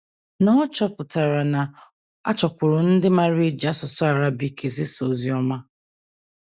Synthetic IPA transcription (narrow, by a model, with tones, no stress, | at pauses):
nɔ˦ɔ˦t͡ʃɔ˦pʊ˨ta˨ɾa˨na˨ | a̰˦t͡ʃɔ˨kʷʊ˨ɾʊ˨n̩˦dɪ˦ma˦ɾi˦d͡ʒa˦sɔ˨sɔ˦a˨ɾa˦bi˨kʰe˨zɪ˦so˨zi˦ɔ˦ma˦